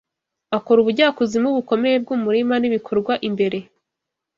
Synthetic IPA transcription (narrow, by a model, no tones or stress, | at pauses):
ako̞ɾuβuɾɟaːkuzimuβuko̞me̞jeb̚ɡumuɾimaniβikʰo̞ɾɡwaʔimbe̞ɾe̞